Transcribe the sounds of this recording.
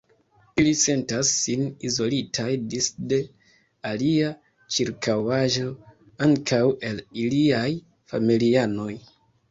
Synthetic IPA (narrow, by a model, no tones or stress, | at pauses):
ilise̞ntasːinizo̞litʰajdisde̞ | alia | t͡ʃiɾkawaʒo̞ | aŋkʰawe̞liliaj | fa̰miliano̞j